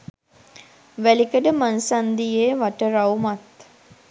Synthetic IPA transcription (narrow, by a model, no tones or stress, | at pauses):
ʋælikəɖəmansand̪ijeːʋaʈəɾawmat̪